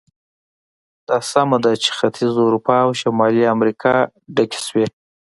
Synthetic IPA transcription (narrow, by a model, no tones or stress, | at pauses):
d̪̥ɑsamad̪at͡ʃe̥xat̪ʰizuɾupɑːwʃamɑliamɾikʰɑ | ɖakʲe̥swe